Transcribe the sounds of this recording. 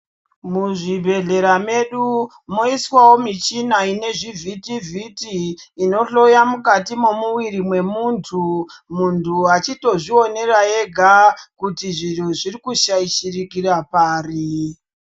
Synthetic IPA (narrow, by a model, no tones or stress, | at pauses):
muʐibʱe̞ɮe̞ɾame̞ɗu | mo̞iswawomit͡ʃinaine̞ʐivʱitivʱitiːno̞ɬo̞jamukatimomuwiɾimwe̞muːntʰumuntʰuɦat͡ʃito̞ʐio̞ne̞rae̞ɡʱakutiʐin̤uʐirikuʃaiʃirikirapaːri